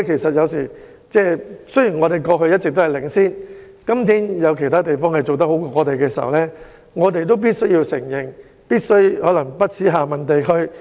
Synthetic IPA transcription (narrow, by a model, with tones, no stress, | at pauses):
kʰe˨˩jsɐ˨t̚jɐ˨˧wsiː˨˩ | t͡sɛː˥sɵ˥ɥjiː˨˩nŋɔː˨˧t̪e˨˩jkɔː˧ɦɵ˧jɐ˥t̚t͡sɪ˨k̚t̪o˥hɐ˨jlɪ˨˩ŋsiː˥n | kɐ˥mt̪ʰiː˥njɐ˨˧wkʰe˨˩tʰaː˥t̪e˨jfɔː˥ŋhɐ˨jt͡so˨wt̪̬ɐ˥k̚ho˨˥wkɔː˧˥ŋɔː˨˧t̪e˨jkɛː˧si˨˩hɐ̰˨wlɛː˥ | ŋɔː˨˧t̪̬e˨jt̪̬o˥wp̬iː˥t̚sɵ˥ɥji˧wsɪ̰˨˩ŋjɪ˨ŋ | piː˥t̚sɵ˥ɥhɔː˨˥lɐ˨˩ŋpɐ˥t̚t͡sʰiː˨˥ɦaː˨mɐ˨nt̪e˨jkʰɵ˥ɥ